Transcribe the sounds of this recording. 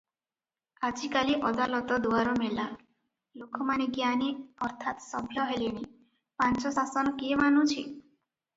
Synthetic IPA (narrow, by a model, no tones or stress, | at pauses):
ad͡ʒikaliʔɔd̪alɔt̪ɔd̪uaɾɔmela | lokʰɔmaneɡjaniɔɾt̪ʰat̪sɔbʱjɔɦeliɽ̃i | pant͡ʃɔsasɔnɔkemanũt͡ʃʰḭ